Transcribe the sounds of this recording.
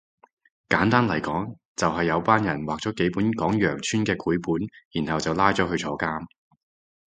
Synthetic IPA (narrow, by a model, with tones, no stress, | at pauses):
kaː˨˥nt̪aː˥nlɐ˨˩jkɔː˨˥ŋ | t͡sɐ˨wɦɐ˨jːɐ˨˧wpaː˥njɐ˨˩nwaː˨k̚t͡sɔː˨˥ke˨˥jpuː˨˥nkɔː˨˥ŋjœː˨˩ŋt͡ʃʰyː˥nkɛː˧kʰuː˨˥jpuː˨˥njiː˨˩nhɐ˨wt͡sɐ˨wlaː˥jt͡sɔː˨˥ɦɵ˧t͡ʃʰɔː˧˥kaː˥m